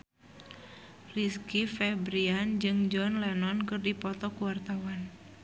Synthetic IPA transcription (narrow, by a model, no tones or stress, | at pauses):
riskifɛbɾiand͡ʒɨŋd͡ʒɔnlɛnɔnkɨrdipɔt̪ɔkuwart̪awan